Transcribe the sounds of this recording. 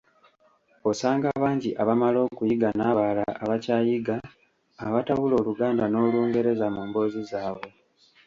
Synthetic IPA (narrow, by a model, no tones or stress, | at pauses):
o̞saːŋɡaβaːɲɟiʔaβamalo̞ːkujiɡanaːβalaːβacaːjiɡaː | βataβulo̞ːluɡaːndano̞ːluːŋɡe̞ɾe̞zamuːmbo̞ːzizaːβwe̞